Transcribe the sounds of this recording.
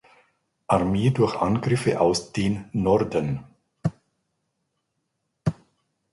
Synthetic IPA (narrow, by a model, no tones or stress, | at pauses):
ʔaʁmeːdʊɐçʔanɡʁɪfəʔa̰ʊsd̥eːnːɔʁdən